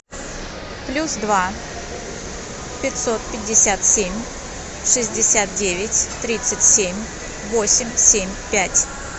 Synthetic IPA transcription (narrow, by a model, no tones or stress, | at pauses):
plʲusd̪va | pʲɪt̪sot̪̚pʲɪdʲːɪsʲat̪sʲemʲ | ʂɨzʲdʲɪsʲat̪̚dʲevʲɪtʲt̪ɾʲit̪sɨtʲsʲemʲ | vosʲɪmʲsʲemʲpʲætʲ